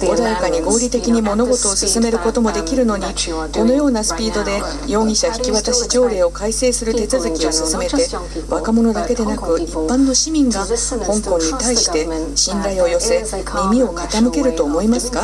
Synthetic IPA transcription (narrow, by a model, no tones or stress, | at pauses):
o̞d̪ajakaɲ̟iɡo̞ːɾʲit̪e̞kʲiɲ̟imo̞no̞ɡo̞t̪o̞ːsɨsɨme̞ɾɯ̟ko̞t̪o̞mo̞d̪e̞kʲiɾɯ̟no̞ɲ̟i | d̪̥o̞no̞jo̞ːnasɨ̥pʲiːd̪o̞d̪e̞ | jo̞ːŋʲĩɕaçi̥kʲiβat̪aɕid͡ʑo̞ːɾe̞ːo̞kaise̞ːsɨɾɯ̟t̪e̞t͡sɨzɨkʲio̞sɨsɨme̞t̪e̞ | βakamo̞no̞d̪ake̞d̪e̞nakɯ̟ipːãnːo̞ɕimʲĩŋɡahõ̞ŋkõ̞ɲ̟ːit̪aiɕi̥t̪e̞ɕĩnɾaio̞jo̞se̞ | mʲimʲio̞kʰat̪amɯ̟ke̞ɾɯ̟t̪o̞ːmo̞imasɨ̥ka